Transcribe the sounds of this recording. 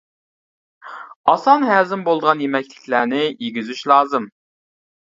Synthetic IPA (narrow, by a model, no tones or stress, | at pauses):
ɑsɑnɦæːzɪmbolˠd̪əʁɑnjemɛkʲlɪkʲʰlæɾnɪjeɡʲyzyʃlˠɑːzɨm